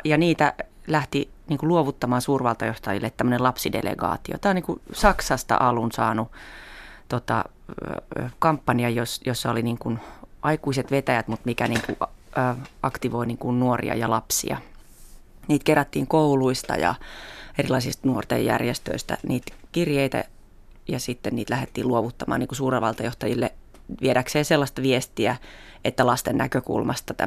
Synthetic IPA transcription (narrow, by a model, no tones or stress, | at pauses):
jɑniːt̪æ | læht̪i | niːŋkuluoʋut̪ːɑmɑːnsuːrʋɑlt̪ɑjost̪ɑjilːet̪æmːøənelɑpsidḛlḛɡɑ̰ːt̪io̰t̪ɑːoniŋkusɑksɑst̪ɑ̰ʔɑlunsɑːnu | t̪ot̪ɑ̰ | kɑmpːɑniɑjosjosːɑoliniːŋkunʔɑikuiset̪ʋet̪æjæt̪mut̪mikæniːŋkṵː | ɑkt̪iʋoiniːŋkunnuorḭɑ̰jɑlɑpsḭɑ̰ | niːt̪kerːæt̪ːḭːŋkouluist̪ɑ̰jɑ̰erilɑisist̪nuort̪ḛjːæ̰rjest̪ø̰ist̪æ̰niːt̪kirjeit̪æ̰ | jɑsit̪ːenniːt̪læhet̪ːiːluoʋut̪ːɑmɑ̰ːniːŋkusuːreʋɑlt̪ɑjoht̪ɑjilːe | ʋieɾækseːselːɑst̪ɑʋiest̪iæ | ʔet̪ːælɑst̪ennæ̰køkṵlmɑst̪ɑt̪æ̰